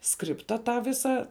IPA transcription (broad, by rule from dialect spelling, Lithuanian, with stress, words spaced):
ˈskrʲɪptɐ ˈtɑː ˈʋʲɪsɐ